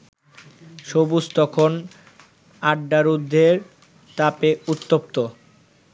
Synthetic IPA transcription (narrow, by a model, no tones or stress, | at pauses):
ʃobust̪ɔkʰon | aɖːaɾud̪ʱːeɾ | t̪apeut̪ːop̚t̪o